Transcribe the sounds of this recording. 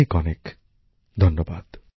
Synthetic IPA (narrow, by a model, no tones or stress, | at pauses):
ekɔnek | d̪ʱʌnːɔbad̪̥